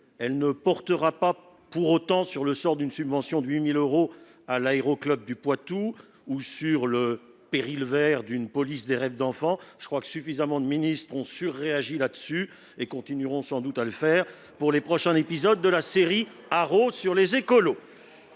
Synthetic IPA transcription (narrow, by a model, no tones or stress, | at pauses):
ɛlnəpɔʁt̪əʁapa | puʁot̪ɑ̃syʁləsɔʁd̪ynsybvɑ̃sjɔ̃d̪əɥimiløʁo | alaeʁoklœb̚d̪ypwat̪u | usyʁlə | peʁilvɛʁd̪ynpɔlisd̪eʁɛvd̪ɑ̃fɑ̃ʒəkχwakə̥syfizamɑ̃d̪əminist̪χɔ̃syʁːeaʒilad̪əsy | ekɔ̃t̪inyʁɔ̃sɑ̃d̪ut̪aləfɛːʁ | puʁlepχɔʃɛ̃epizɔd̪ːəlaseʁi | aʁosyʁlezekɔlo